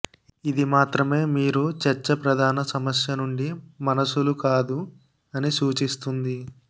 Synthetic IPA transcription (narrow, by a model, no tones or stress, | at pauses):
id̪imaːt̪ɾɐme̞ːmiːɾut͡ʃɐɾt͡ʃːɐpɾɐd̪ʱaːnɐsɐmɐsjɐnuɳɖimɐnɐsulukaːd̪u | ɐnisuːt͡ʃist̪und̪i